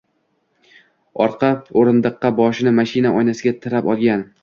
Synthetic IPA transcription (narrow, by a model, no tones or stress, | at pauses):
ɒɾqʰɑpoɾɪnd̪ɨqːɑbɒʃɪnɪmaʃɪnaʔɒjnasɪɡʲat̪ʰɪɾapɒlˠɡʲan